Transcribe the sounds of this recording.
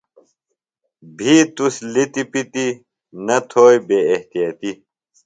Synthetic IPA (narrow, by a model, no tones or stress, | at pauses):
bʱit̪uslit̪ipit̪i | nɐt̪ʰoːjbeːeht̪ijat̪i